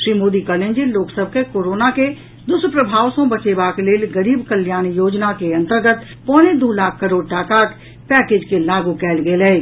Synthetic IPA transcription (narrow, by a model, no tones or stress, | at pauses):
ʃɾiːmoːd̪ikəɾnẽnd͡ʒiloːksəb̚ʱkekoːɾoːnake | d̪ʊspɾəbʱaːʋsõbət͡ʃeːbakleːlɡəɾiːbkəljaːñjoːd͡ʒnakeɐ̃nt̪əɾɡət̪ | pɔːned̪ulaːkʰkəɾoːɖ̚ʈaːkaːt̪ | pɛːkeːd͡ʒkelaːɡukɛːlɡeːlɛː